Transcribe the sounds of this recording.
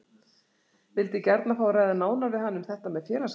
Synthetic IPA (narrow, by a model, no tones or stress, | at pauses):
vɪlt̪ɪcɛɾt̪nafaːwɾaːjðanaːwnaɾvɪðhanːʏmθɛht̪amɛðfjɛːlas